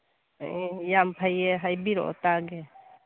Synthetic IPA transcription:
jampʰajɛɦajbiɾɔ̰ʔt̪aɡɛ

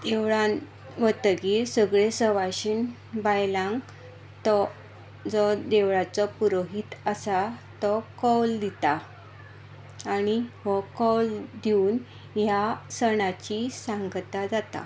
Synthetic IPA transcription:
d̪̥eʋɭan | ʋət̪əɡiːɾsəɡɭesəʋaɕin | bajlãŋɡ | t̪ɔ | d͡zɔd̪eʋɭat͡sɔpuɾoɦit̪əsat̪ɔkɔwld̪it̪a | niʋɔkɔld̪iuːn | jasəɳat͡ɕisãŋɡt̪ad͡zat̪a̰

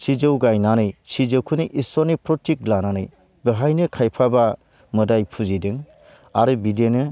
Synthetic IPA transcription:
sid͡ʒɯwɡajnanɯjsizɯwkʰɯniʔisɔnipɾɔtʰik̚lananɯj | bɯɦajnɯkʰajpʰaba | mɯdajpʰuzidɯŋ | aɾɯbidenɯ

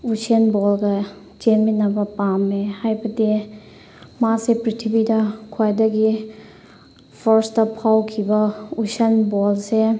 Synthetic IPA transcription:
usiɐnbɔlɡa | d͡ʒeminɐbɐpamːehajbɐde | masepɾitʰibidakʰuajdɐɡi | pʰɔɾstapʰawkʰibɐusiɐnbɔlse

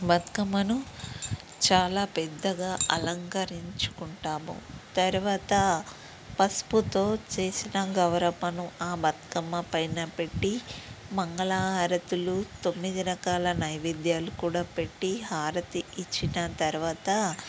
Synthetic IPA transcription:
bɐt̪kɐmːɐnu | t͡ʃaːlaːpɛd̪ːɐɡaːʔɐlɐŋkɐɾiɲt͡ʃu̥kuɳʈaːmṵt̪ɐɾuʋaːt̪ɐ | pɐsput̪o̞ːt͡ʃeːsinɐɡɐwɾɐmɐnuaːbɐt̪kɐmːɐpɐjnɐpe̞ʈːimɐŋɡɐɭaːɦɐɾɐt̪ulut̪o̞mːid̪iɾɐkaːlɐnɐjʋid̪jaːlukuːɽaːpe̞ʈːiɦaːɾɐt̪iit͡ʃːinɐt̪ɐɾuʋaːt̪ɐ

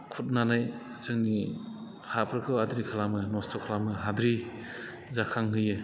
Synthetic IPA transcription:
kʰut̚nanaj | zɯŋni | hapʰɾɯkʰɯwadɾikʰalamɯnɔstʰɔkʰalamɯɦad̪ɾi | zakʰaŋɦɯjɯ

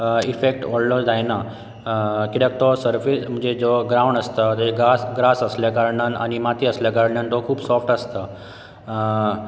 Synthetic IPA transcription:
ifek̚ʈɔllod͡zʱajna | kiʈək̚t̪osəɾfism̤ə̃d͡ʑed͡zoɡɾaw̃ɳɖəst̪ət̪eɡasɡɾasəsljəɡəɾɳəna̰nimat̪ʰiəsləɡəɾɳənt̪okʰuːbsɔfʈəst̪ə

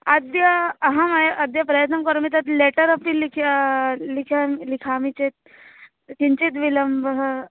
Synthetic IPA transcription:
ɐd̪jɐɐɦɐmɐjʔɐd̪jɐpɾɐjɐt̪̬nɐkɐɾmit̪ɐt̪leʈəɾɐpilikʰlikʰalikʰaːmit͡ʃet̪̚ | kiɲt͡ʃit̪ʋilɐmbʱɦ

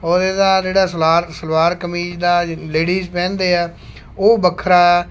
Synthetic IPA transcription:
oːɾed̪aːd͡ʒeːɽaːsəlaːɾsəlʋaːɾkəmiːd͡ʒd̪aːleːɽiːzpɛ̃ːnd̪eːaː | oːbəkʰɾaː

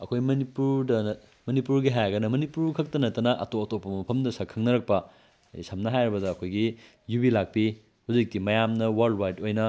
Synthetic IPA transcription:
ɐkʰojmɐnipuɾdɐ | mɐnipuɾɡiɦajɐɡɐnɐmɐnipuɾkʰɐk̚tɐnɐtːɐnɐʔɐ̰toɐtopːɐmɐpʰɐmdɐsɐkʰːɐŋnɐɾɐk̚pɐ̰ | jsɐmnɐɦajɾɐbɐdɐːkʰojɡi | jubilak̚pi | hud͡ʒik̚timɐjamnɐwɐldwajtojnɐ

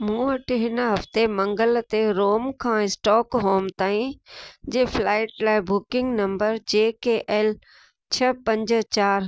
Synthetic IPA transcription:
mũːɐʈɪɦɪnɦɐft̪emɐ̃ŋɡəlt̪eɾoːmkʰãːɪsʈɔːkɦoːmt̪aːĩd͡ʑeːflaːɪʈlaːɪbʊkɪ̃ŋɡnɐ̃mbəɾd͡ʑeːkeʔɛːl | t͡ɕʰɐpɐ̃ɲd͡ʑt͡ɕaːɾ

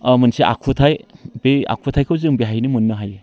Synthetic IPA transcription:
mɯnsiʔa̰kʰutʰajbea̰kʰutʰajkʰɯwzɯŋbeɦajnimunːɯɦaje

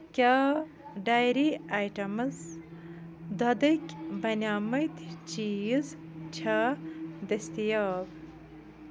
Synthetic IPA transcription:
kʲaː | ɖaːjɾiajʈɐmɨz | d̪ɐd̪ɐkʲbɐnʲaːmɐjt̪t͡ʃijiz | t͡ɕʰaːd̪ɐst̪ijaːb

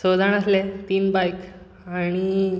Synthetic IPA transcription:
sod̪ʱaɳ̃əslet̪iːnbajk | aɽ̃i

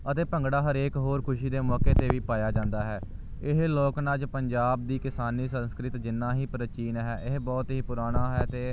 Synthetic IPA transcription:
ət̪eːpəŋɡɽaːɦəɾeːkɦoːɾkʰʊʃiːd̪eːmɔːkeːt̪eːʋiːpaːjaːd͡ʒãːnd̪aːɦɛː | ɪɦloːknaːt͡ʃpəɲd͡ʒaːb̚d̪iːkɪsaːniːsə̃nskɾɪt̪d͡ʒɪnːãːɦiːpɾət͡ʃiːnɦɛːʔɪɦbɔːt̪ɦiːpʊɾaːɽ̃aːɦɛːt̪eː

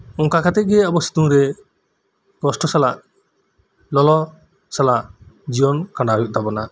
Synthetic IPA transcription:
ɔ̃ŋkakʰat̪ɛc̚ˀɡɛɔbɔsi̥t̪uŋɾɛ | kɔsʈɔsalaʔ | lɔlɔ | salaʔd͡ʒijɔnkãɳɖaɾuʔ̚t̪abɔna

